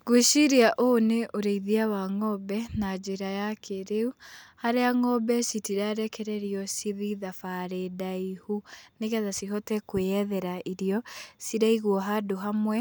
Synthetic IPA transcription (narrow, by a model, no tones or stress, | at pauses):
ɡweʃiɾiaʔoneʔoɾeiðiawaŋɔbɛnad͡ʒeɾajakʰeɾeuhaɾeaŋɔbɛsitiɾaɾɛkɛɾɛɾiɔsiðiðafaɾedaihuneɣɛðasiɦɔtɛkweɛðɛɾaʔiɾiɔsiɾaiɣwɔɦadoɦamwɛ